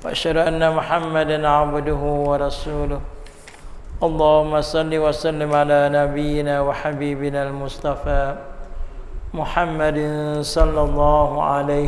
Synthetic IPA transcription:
waʔa̰ʃhad̪ʊʔanːamʊħamːad̪anʕabd̪ʊɦʊwɑɾˤɑsuːlʊh | ʔɑlˤːɑːhʊmːasˤɑlːiwɑʔsˤalːɪmʕalaːnabɪjːɪnaːwaħabiːbɪnaːlmʊsˤt̪ˤɑfaː | mʊħamːad̪sˤɑlːɑlˤːɑːɦʊʕa̰la

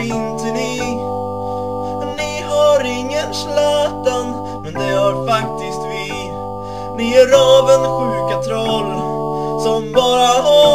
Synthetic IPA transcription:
ɪnt̪ənɪ | ɛnːɪɦaɾɪŋːənslœːt̪an | mɛnd̪ɛhaɾfakt̪ɪst̪vɪ | nɪæɾɑːvənɧʉ̟ːkat̪ʰɾɔlː | sɔmbɑːɾaɦa

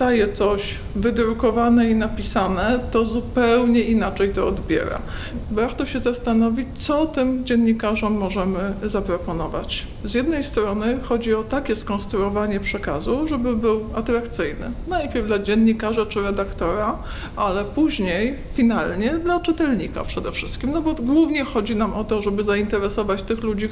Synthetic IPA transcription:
ajɛt̪sɔɕ | vɘd̪ɾukɔvanɛinapʲisanɛt̪ɔzupɛwɲɛʔinat͡ʂɛjt̪ɔɔd̪bʲjɛ̰ɾa̰ | baɾt̪ɔɕɛzast̪anɔvʲit͡ɕt̪sɔt̪ɘmd͡ʑɛnɲikaʐɔmːɔʐɛmɘzapɾɔpɔnɔva̰t͡ɕ | zjɛd̪nɛjst̪ɾɔnɘxɔd͡ʑiɔt̪akʲɛskɔ̃nst̪ɾuɔvaɲɛpʂɛkazuʐɛbɘbɘwat̪ɾakt̪sɘjnɘ̰najpʲjɛɾvd̪lad͡ʑɛnːikaʐat͡ʂɘɾɛd̪akt̪ɔɾa | alɛpuʑɲejfʲinalɲɛd̪lat͡ʂɘt̪ɛlɲḭka̰pʂɛd̪ɛfʂɘst̪kʲimnɔbɔɡwuvɲɛxɔd͡ʑinamɔt̪ɔʐɛbɘzaint̪ɛɾɛsɔvat͡ɕt̪ɘxlud͡ʑi

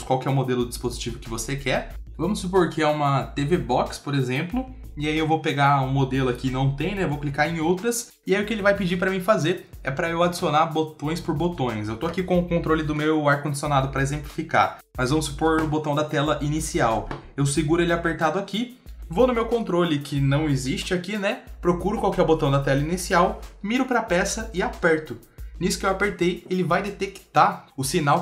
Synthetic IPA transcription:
skwawkɪɛʊmod̪elʊdɪd͡ʒispozit͡ʃivʊkɪvosekɛ | vɐ̃mʊsːupoɾkɪɛũmɐt̪evebɔkspoɾezẽmplʊ | ɪaiewvowpeɡaũmod̪elʊakinɐ̃w̃t̪ẽj̃nɛewvowklikaɾẽj̃owt̪ɾɐs | ɪaiʊkɪelɪvajpɪd͡ʒipɾɐmĩfazeɾ | ɛ̰pɾɐewad͡ʒi̥sionabot̪õj̃spoɾbot̪õj̃sewt̪oakikõʊkõnt̪ɾolɪd̪ʊmewaɾkõd͡ʒisionad̪ʊpɾɐezẽmplifika̰ | mɐzvɐ̃mʊsu̥poɾʊbot̪ɐ̃w̃d̪ɐt̪ɛlɐʔinisiaw | ewsɪɡuɾʊelɪapeɾt̪ad̪ʊaki | vonʊmewkõnt̪ɾolɪkʰɪnɐ̃w̃eziʃt͡ʃɪakinɛpɾokuɾʊkwawkɛɾbot̪ɐ̃w̃d̪ɐt̪ɛlɐinisiawmiɾʊpɾɐpɛsɐɪapɛɾt̪ʊ | nisʊ̥kɪewapeɾt̪ejelɪvajd̪et̪ekt̪aʊsinaw

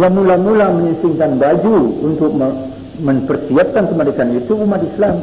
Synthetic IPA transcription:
jamulamulaməɲisiŋkanbad͡ʒuunt̪ʊk̚ə | məmpərsiap̚kankəmaɾekanit̪uːmat̪islam

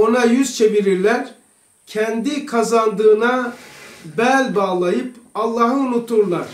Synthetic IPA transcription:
onajyz̥t͡ʃʰe̞viɾiɾlʲæɾ | cʰɛnd̪ikʰazand̪ɯːna | bælʲbaːlˠajɯpɑlˠːɑːɦɯunut̪ʰːuɾlˠaɾ̥

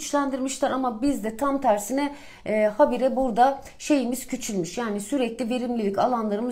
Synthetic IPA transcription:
t͡ʃlʲænd̪iɾmiʃlʲaɾamabizd̪ɛt̪ʰamt̪ʰæɾsinɛː | habiɾɛbuɾd̪a | ʃe̞jimiz̥cʰyt͡ʃʰylʲmyʃjaːnisyɾɛclʲive̞ɾimlʲilʲicalˠanlˠaɾɯmɯ

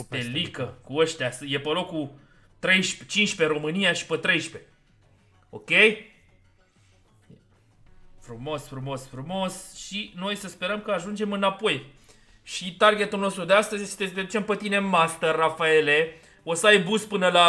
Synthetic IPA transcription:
t̪elikəkuəʃt̪easɨjepəlo̞ku | t̪ɾe̞jʃpt͡ʃinʃpe̞ɾo̞mɨnijaʃi̥pət̪ɾe̞jʃpe̞ | o̞̰kʲe̞j | fɾumo̞sfɾumo̞sfɾumo̞sʃino̞jsəspe̞ɾəmkəaʒund͡ʒe̞mɨnapo̞j | ʃit̪arɡʲe̞t̪ulnost̪ɾud̪east̪əzʲt̪et̪ed̪ut͡ʃe̞mpət̪ine̞mast̪ərafae̞le | osəajbuspɨnəla

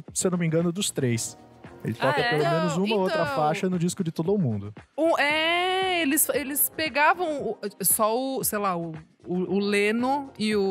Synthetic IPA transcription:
sewnõmĩɡɐ̃nʊd̪ʊst̪ɾejs | ḛlɪt̪ɔkɐpelomẽnʊzũmmɐow̪t̪ɾɐfaʃɐnʊd͡ʒiskʊd͡ʒɪt̪od̪ʊːmũnd̪ʊũɛelɪselɪspeɡavɐ̃w̃ʊsɔʊsejlaʊː | lẽnʊɪʊ

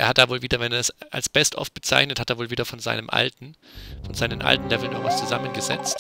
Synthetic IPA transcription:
ʔeːɐhat̚d̥aːvoːlviːdɐvɛneɐdasa̰lsb̥ɛstʔɔ̰ft̚b̥ət͡sa̰ɪçnəthateːɐvoːlviːdɐfɔnza̰ɪnəmʔa̰ltn̩fɔnzaɪnənʔa̰ltn̩lɛvl̩no̰ɐva̰st͡suzamənɡəzɛ̰t͡st

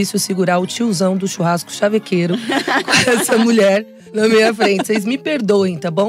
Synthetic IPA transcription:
isʊsɪɡuɾaɾʊt͡ʃiwzɐ̃w̃d̪ʊʃuɦaskʊ̥ʃavekʰeɾʊkõɛsɐmuʎɛɾ | nɐmejɐfɾẽt͡ʃɪezmɪpeɾd̪oẽj̃t̪abõw̃

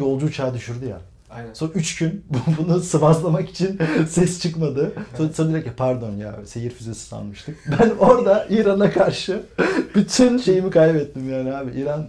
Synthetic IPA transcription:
jo̞lˠd͡ʒuːt͡ʃʰaːd̪yʃyɾd̪uja̰ | soyt͡ʃcʰynbubunusɯbazlˠamaki̥t͡ʃʰinsɛst͡ʃʰɯkmad̪ɯsosab̪ilʲacapʰaɾd̪o̞nja̰ːsejiɾfizesi̥sʰa̰nmɯʃt̪ʰɯk̚bæno̞ɾd̪aʔiːɾanakʰaɾʃɯb̥yt̪ʰynʃe̞jimikʰajbɛt̪ːimjaːnihaːbiiːɾan

